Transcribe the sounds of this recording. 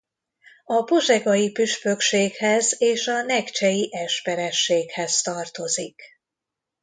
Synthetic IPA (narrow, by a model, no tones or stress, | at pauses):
ɒpo̞ʒɛɡɒjipyʃpø̞kʃeːkhɛzeːʃɒnɛkt͡ʃɛjiʔɛʃpɛɾɛʃːeːkhɛzt̪ɒrt̪o̞zik